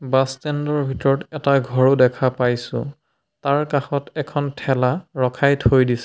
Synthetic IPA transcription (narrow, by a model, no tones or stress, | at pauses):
bastɛndɔɹbʱitɔɹɔtɛtaɡʱɔɹʊdɛkʰapajsʊ̰̃ | taɹkaxɔtɛkʰɔntʰɛlaɹɔkʰajthojdisɛ̥